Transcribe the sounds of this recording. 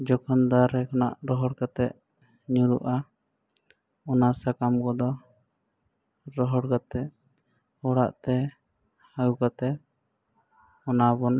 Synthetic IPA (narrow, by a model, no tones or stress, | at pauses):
d͡ʒɔkʰɔnd̪aɾɛkɔnaʔɾɔɦɔɽkat̪ɛʔ̚ | ɲuɾṵʔa | ɔnasakamkɔd̪ɔ | ɾɔɦɔɽkat̪ɛʔ | ɔɽa̰ʔt̪ɛ | haɡukat̪ɛʔ | ɔnabɔn